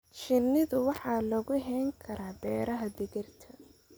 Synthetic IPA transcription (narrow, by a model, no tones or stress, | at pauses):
t͡ʃɪnɪðʊwɑħɑːlɔɣʊɦɛːŋkʰɐɾaːbɛːɾɐɦɐd̪ɪɣɪrt̪ʰɐ